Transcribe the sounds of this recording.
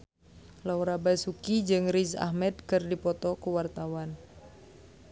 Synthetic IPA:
lawɾabasukid͡ʒɨŋrisa̰hmɛd̪̚kɨrdipɔt̪ɔkuwart̪awan

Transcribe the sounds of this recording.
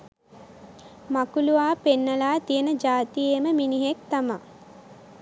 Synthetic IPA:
makuluʋaːpenːəlaːt̪ijənəd͡ʒaːt̪ijeməminiɦek̚t̪ama

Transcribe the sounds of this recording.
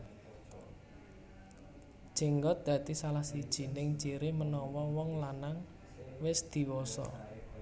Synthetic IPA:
ʒ̥i̤ŋɡɔt̪̚d̪̥ä̤t̪isalahsid̥ʒ̥i̤nɪŋ̥t͡ʃiɾɪmənɔwɔwɔŋlanaŋ | wɪsd̪̥i̤wɔsɔ̰

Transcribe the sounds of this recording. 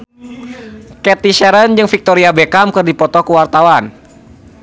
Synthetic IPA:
kɛt̪iʃɛɾənd͡ʒɨŋfik̚t̪ɔɾiabɛkamkərdipɔt̪ɔkuwart̪awan

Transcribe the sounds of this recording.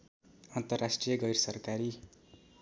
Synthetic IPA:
ʌnt̪ʌrːasʈrijʌɡʌjrsʌrkaɾi

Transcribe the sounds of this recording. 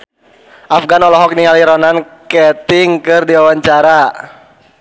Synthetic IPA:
ʔafɡanɔlɔɦɔk̚niŋaliɾɔnankɛt̪ɪŋkɨrdiwawaɲt͡ʃaɾa

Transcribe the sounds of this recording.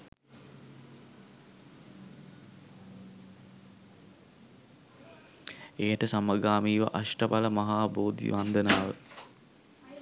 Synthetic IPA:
eːəʈəsaməɡaːmiːʋə̰ʔaʂʈəpaləmɐɦaːboːd̪ḭʋand̪ənaːʋə

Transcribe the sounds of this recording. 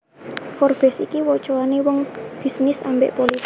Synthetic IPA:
fɔrb̥ɛsikiwɔt͡ʃoanewɔŋb̥i̤snɪsambḛʔpoli

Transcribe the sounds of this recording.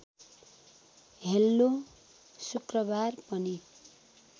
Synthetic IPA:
ɦelːo | sukrʌbarpʌni

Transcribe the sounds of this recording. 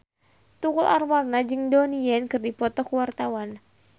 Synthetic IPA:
t̪ukʊlʔarwarnad͡ʒɨŋdɔnijɛnkɨrdipɔt̪ɔkuwart̪awan

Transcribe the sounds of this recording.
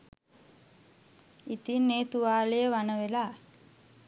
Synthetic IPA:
it̪inːeːt̪uʋaːlejəʋanəʋelaː

